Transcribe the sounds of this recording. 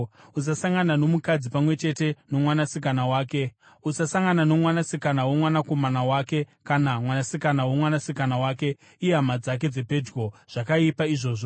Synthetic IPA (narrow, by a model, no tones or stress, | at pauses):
usasaŋɡanano̞mukad͡zipamwe̞t͡ʃe̞te̞no̞mwanasikanawaːke̞ | usasaŋɡanano̞mwanasikanawomwanako̞manawaːke̞kanamwanasikanawomwanasikanawaːke̞ | ijeɦamad͡zak̬e̞d͡ze̞pe̞d͡ʒɡo̞ʐ̥akaipaiʐo̞ːʐo